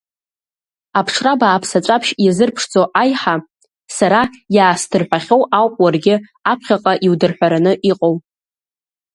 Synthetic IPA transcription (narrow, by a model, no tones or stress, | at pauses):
apʰʂʰrabaːpʰsat͡ʃʷʼapʰʃjazɨrpʰʂd͡zt͡sʼoʔajħa | saɾajaːstʰɨrħʷᶣaχʲowawpʼwarɡʲɪapʰχʲaqʼaʔiwdɨrħʷᶣaɾanɨʔiqʼow